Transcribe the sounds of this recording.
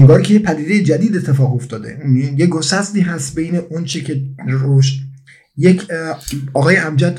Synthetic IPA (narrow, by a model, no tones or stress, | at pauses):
eŋɡɒːɾkʰe̞jepʰæd̪iːd̪ejed͡ʒæd̪iːd̪e̞t̪ʰːe̞fɒːɣoft̪ɒːd̪ḛjeɡosæsd̪iːɦæst̪bejneʔont͡ʃʰecʰe̞ɾoʃt̪ | jekʰɒːɣɒːjeæmd͡ʒæt̪